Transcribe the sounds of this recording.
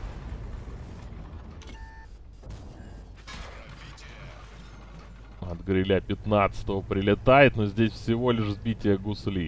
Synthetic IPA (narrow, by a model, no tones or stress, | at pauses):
ɐd̪ɡɾʲɪlʲapʲɪt̪nat̪sə̥t̪əvəpɾʲɪlʲɪt̪ajɪt̪no̞zʲdʲesʲfsʲɪvo̞lʲɪʂzbʲitʲɪjəɡʊslʲi